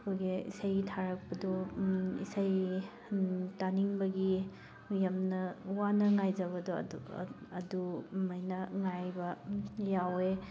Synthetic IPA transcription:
kʰujɡiḭsajtʰaɾɐk̚pɐdɔḭsaj | taniŋbɐɡi | jamnɐwanɐŋajd͡ʒɐβɐdɔ̰ | ɐdumajnɐŋajbɐjawe

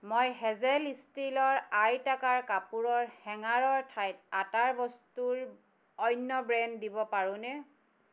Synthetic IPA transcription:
mojɦɛzɛlistilɔɹajtakaɹkapuɹɔɹhɛŋaɹɔɹtʰajt̚ataɹbɔstuɹ | ɔjnːɔbɹɛndibɔpaɹʊ̃nɛ

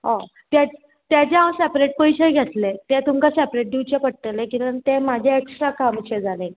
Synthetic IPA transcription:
ɦã | t̪ja | t̪jat͡ɕẽɦãwsɛpɾeʈ̚pojɕeɡʱet̪let̪ɛ̃t̪umkasɛpɾeʈ̚ɖiwt͡ɕepəɽt̪əlẽkinʋənt̪ẽmad͡ʑʱjaeksʈɾakamt͡ɕẽd͡zalẽ

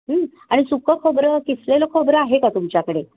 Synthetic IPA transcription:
ɦə | aɽ̃isukəkʰəbɾəkisleləkʰəbɾəaɦekat̪umt͡ɕjakəɽe

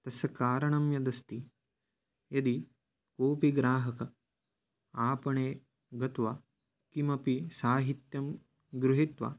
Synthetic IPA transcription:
t̪ɐsɐkaːɾɐɳɐmjɐd̪ɐst̪i | jɐd̪i | koːpiɡɾaːɦɐkɐ | aːpɐɳeː | ɡɐt̪ʋa | kimɐpisaːɦit̪jɐm | ɡɾuɦit̪ʋa̰

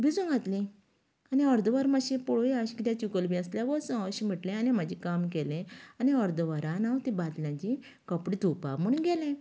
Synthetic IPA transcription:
bid͡zũŋɡʱat̪lĩ | aniɔɾd̪əʋaɾmaɕĩpɔɭoiaɕikit̪jãt͡ɕukəlbĩəsljaʋɔsə̃ɕim̤əʈlẽanim̤ad͡ʑikamkɛlẽaniɔɾd̪ʋaɾãnawt̪ibat̪ljãt͡ɕi | kəpɽid̪ʱupa̰muɳɡɛlẽ

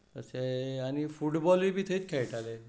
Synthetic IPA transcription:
əseanifuʈbɔlibʱit̪ʰəit͡ʃkʰejʈale

